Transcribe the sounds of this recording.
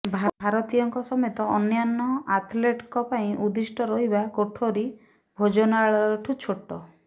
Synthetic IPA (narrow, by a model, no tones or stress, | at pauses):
bʱabʱaɾɔt̪ijɔŋkɔsɔmɔɔt̪ɔɔnjanːɔat̪ʰleʈkɔpaĩʔud̪isʈɔɾɔɦibakoʈʰoɾi | bʱod͡ʒɔnɔaɭɔɾɔʈʰut͡ʃʰoʈːɔ